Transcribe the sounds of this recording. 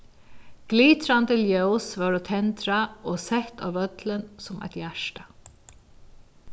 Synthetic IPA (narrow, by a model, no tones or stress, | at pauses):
ɡ̥liːt̪ɾant̪ɪljœʊsʋɑːɾut̪ʰɛnt̪ɾaoːsɛht̪ʰa̰ːʋœt̪lənsʊmæ̰ɪt̪jæʂʈḁ